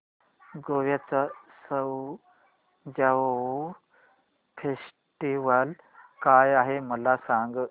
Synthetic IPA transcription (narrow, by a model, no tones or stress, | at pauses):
ɡoʋjat͡sasəw | d͡ʑao | fʰes | ʈiʋəl | kajaɦeməlasaŋɡ